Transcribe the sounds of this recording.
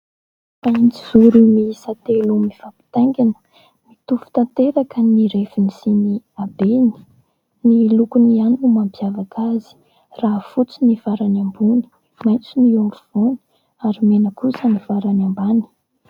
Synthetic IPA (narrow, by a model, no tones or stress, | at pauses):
ant͡sizuɾimisat̪elumifapi̥t̪aŋɡinə̥ | mit̪ufu̥t̪ant̪eɾakəniɾefinisiniabeni̥ | nilukunianunumampiavakazi̥ | raːfut͡sinivaɾanambuni̥ | majnt͡sinioɳluv̥oni̥ | aɾimenəkusənivaɾanambani̥